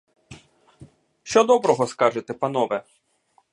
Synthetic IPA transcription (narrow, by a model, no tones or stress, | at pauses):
ʃt͡ʃɔd̪ɔbɾɔɦɔskɑʒet̪ɛpɐn̪ɔʋɛ